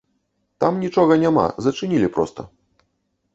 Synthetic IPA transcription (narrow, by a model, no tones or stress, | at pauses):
t̪amnʲit͡ʂɔɣɐnʲama̰zɐt͡ʂɨnʲilʲipɾɔ̰st̪ɐ̰